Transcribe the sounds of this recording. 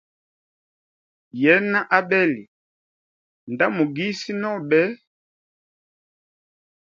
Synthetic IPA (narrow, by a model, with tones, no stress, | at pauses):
jɛ˨˦na˦ʔa˦ɓɛ˦li˨ | nda˦mu˨ɡi˦si˦nɔ˦bɛ˦